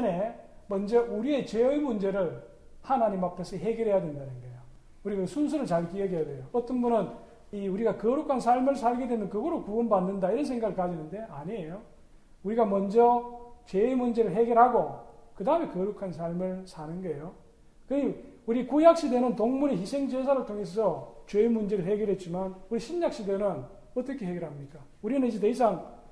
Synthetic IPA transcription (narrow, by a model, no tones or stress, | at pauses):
nemʌnd͡ʑʌuɾie̞t͡ɕeɯimund͡ʑe̞ɾɯɭ | hanaɲimapʰe̞sʰʌɦe̞ɡjʌɾɦejadwe̞ndanɯnɡʌjo | uɾiɡasʰuns̬ʰuɾɯɭt͡ɕaɭkiʌɡejadwejoʌt͈ʌnbunɯn | iuɾiɡakʌɾukʰansʰaɭmɯɾsʰaɭɡe̞dwenɯnkɯɡʌɾokuʌnbanːɯndaiɾʌns̬ʰe̞ŋɡaɡɯɭk͈ad͡ʑinɯnde̞aɲiejo | uɾiɡamʌnd͡ʑʌt͡ɕeimund͡ʑe̞ɾɯɭɦeɡjʌɾɦaɡokɯdaɯme̞kʌɾukʰansʰaɭmɯɭsʰanɯnɡʌejo | kɯɲiuɾikujak̚ɕ͈idwenɯntoŋmuɾeçisʰe̞ŋd͡ʑes̬ʰaɾɯɭtʰoŋe̞sʰʌt͡ɕeimund͡ʑe̞ɾɯɭɦeɡjʌɾɦe̞t̚t͡ɕ͈imanuɾiɕʰinjak̚ɕ͈idwenɯn | ʌt͈ʌkʰe̞ɦeɡjeɾɦamɲik͈a | uɾinɯnid͡ʑet̬eis̬ʰaŋ